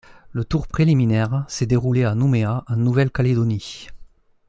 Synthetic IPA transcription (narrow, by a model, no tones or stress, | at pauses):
lət̪uʁpχeliminɛʁsed̪eʁuleanumeaʔãnnuvɛlkaled̪oni